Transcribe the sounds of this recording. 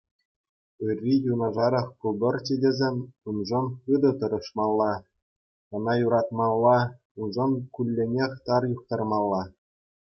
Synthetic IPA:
ɯrʲːijunɑʐɑɾɑχkubʲɤ̆rʲt͡ɕidʲezʲemʲunʐɤ̆nχɯd̪ɤ̆t̪ɤ̆ɾɤ̆ʂmɑlˠːɑ | ɤ̆nɑjuɾɑt̪mɑlˠːɑ | unʐɤ̆nkʲulʲːenʲexʲt̪ɑrjuχ̚t̪ɑrmɑlˠːɑ

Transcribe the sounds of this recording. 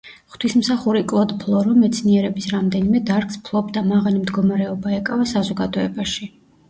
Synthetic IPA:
χt̪ʰwismsaχuɾikʼɔd̪pʰlˠɔɾɔmɛt̪sʰniɛɾɛbisɾamd̪ɛnimɛd̪aɾkspʰlˠɔbd̪amaʁalimd̪ɡɔmaɾɛɔbaɛkʼavasazɔɡad̪ɔɛbaʃi

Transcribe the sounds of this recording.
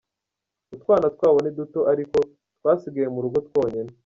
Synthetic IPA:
utkwaːnatkwaːβoneduto̞ʔaɾiko̞ | twaːsiɡajemuɾuɡo̞two̞ːɲene

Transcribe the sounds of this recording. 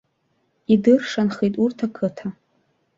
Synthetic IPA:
idɨrʂanχijtʼurtʰakʰɨtʰa

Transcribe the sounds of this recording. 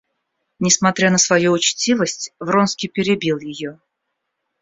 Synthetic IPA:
nʲɪsmɐt̪ɾʲanəsvɐjuʊt͡ɕtʲivəsʲtʲvronskʲɪjpʲɪɾʲɪbʲilˠjɪjo

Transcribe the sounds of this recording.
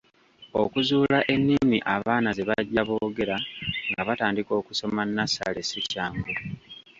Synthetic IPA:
o̞kuzuːlaʔe̞nːimiʔaβaːnaze̞βaɟːaβo̞ːɡe̞ɾaŋɡaβataːndiko̞ːkuso̞manːasa̰lesicaːŋɡulu

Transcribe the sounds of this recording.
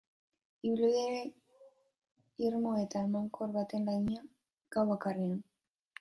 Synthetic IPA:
iβiliðeɾe | iɾmoe̞t̪aemaŋkoɾβat̪e̞nlajɲea | ɡ̥awβakarean

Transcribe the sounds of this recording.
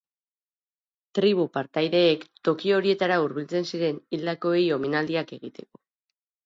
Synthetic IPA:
t̪ɾiβupaɾt̪ajðe̞ːkt̪o̞kio̞ɾie̞t̪aɾauɾβ̞ilt͡se̞nsiɾe̞nild̪ako̞ejo̞minald̪iake̞ɣit̪e̞ko̞̥

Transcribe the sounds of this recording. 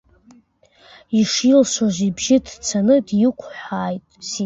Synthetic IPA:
iʂilʃʷaʒʷibʒɪdt͡sʰanɨdjɪkʷʰħʷᶣaːjtʼs

